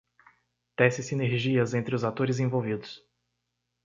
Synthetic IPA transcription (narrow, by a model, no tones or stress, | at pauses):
t̪ɛsɪsineɾʒiɐzẽnt̪ɾɪʊzat̪oɾɪzẽvowvid̪ʊs